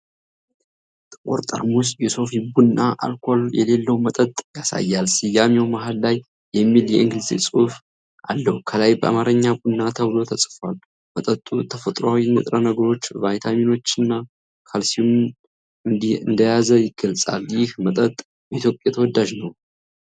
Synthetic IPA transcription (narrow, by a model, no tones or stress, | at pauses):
t̪ʼkʼɔɾt̪ʼə̰ɾmusjɛso̞fibunnːaʔa̰lkʰo̞ljɛ̰le̞lːəwmət̪ʼət̪ʼjasa̰jːalsɨjːamewmaɦad̪lajː | ɛmːiljɛɨŋɡlɨzḭsʼɨuf | ʔa̰lːəhkʰəlajbəʔa̰maɾəɲːabunːat̪ʰəβɨlo̞t̪ʰəsʼfal | mət̪ʼət̪ʼːut̪ʰəfət̪ʼɾoawinət̪ʼɾənəɡəɾo̞t͡ʃːvajt̪ʰamino̞t͡ʃːɨnːa | kʰalsijum | ɨd̪ɨnd̪əjazəjɪɡəlt͡sʼa̰ljɪhmət̪ʼət̪ʼ | it̪ʰjo̞pʼjat̪ʰəwɔd̪ːaʒnəw